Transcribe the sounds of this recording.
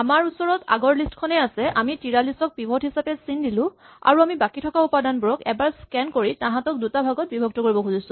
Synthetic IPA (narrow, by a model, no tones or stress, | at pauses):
amaɹusɔɹɔta̰ɡɔɹlistkʰɔnɛasɛʔamitiɹalistɔk̚bibʱɔtɦisapɛsindilʊ̃ | a̰ɹuamibakitʰɔkaupadanbuɹɔkɛbaɹskɛnkoɹitaɦãtɔk̚dutabʱaɡɔt̚bibʱɔk̚tɔkoɹibɔkʰuzisʊ̃